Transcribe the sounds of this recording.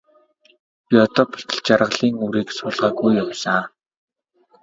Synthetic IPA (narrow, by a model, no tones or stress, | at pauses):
piɔt̪ɔːpʰʊ̥ɬt̪ə̆ɮt͡ɕarʁə̆ɮiːŋuɾiːksʊːɮʁaːɡujːawsaː